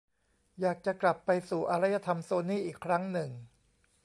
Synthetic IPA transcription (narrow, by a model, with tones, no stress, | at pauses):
jaː˨˩k̚t͡ɕa˨˩kla˨˩pːa˧jsuː˨˩ʔa˧ɾa˦˥ja˧t̪ʰa˧msoː˧niː˥˩ʔiː˨˩kʰːɾa˦˥ŋnɯ˨˩ŋ